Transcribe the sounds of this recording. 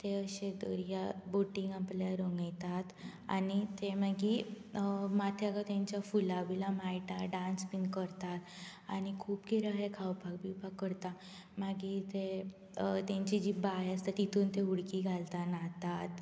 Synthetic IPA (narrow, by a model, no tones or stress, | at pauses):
t̪eəɕed̪əɾjaboʈiŋɡapljaɾoŋɡajt̪at̪a̰nit̪emaɡiː | mat̪ʰjaɡat̪jãɲt͡ɕjafulabilamajʈaɖãnspinkəɾt̪at̪añikʰuːpkiɾəɦekʰawpaɡ̚bibakːəɾt̪a | maɡiːt̪e | t̪jãɲt͡ɕid͡ʑibajast̪at̪it̪ʰuːnt̪euɽkiːɡʱalt̪anat̪at̪